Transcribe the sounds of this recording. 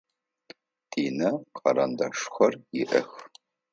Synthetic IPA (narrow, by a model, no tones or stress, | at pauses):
d̥iːnɐqʰɐɾɐndɐʂxʷɐrjɪʔɐx